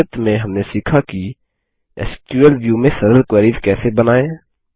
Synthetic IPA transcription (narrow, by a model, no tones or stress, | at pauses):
ət̪mẽɦɐmnesiːkʰaki | ɛ̰st͡ʃuəlʋjuːmẽsəɾəlkwəɾiːd̪kɛːsebənaːẽ